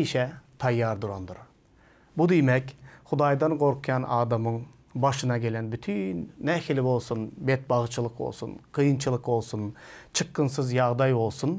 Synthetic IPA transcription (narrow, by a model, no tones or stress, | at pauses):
iʃɛt̪ʰɑjːɑɾd̪uɾond̪uɾ | bud̪emɛkʲχud̪ɑjd̪ɑnqoɾqʰɨjɑnʔɑːd̪ɑmɯŋ | bɑʃɯnɑɡʲelɛnbyt̪ʰynːæxilɪbolˠsunbet̪̚bɑʁt͡ʃʰɯlˠɯqbo̰lˠsṵnqʰɯjɯnt͡ʃʰɯlˠɯqbo̞lˠsunt͡ʃʰɨqːɯnsɨzjɑʁd̪ɑjbo̞lˠsun